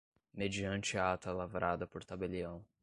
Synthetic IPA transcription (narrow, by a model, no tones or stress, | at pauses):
med͡ʒiɐ̃nt͡ʃɪat̪ɐlavɾʔad̪ɐpoɾt̪abeliɐ̃w̃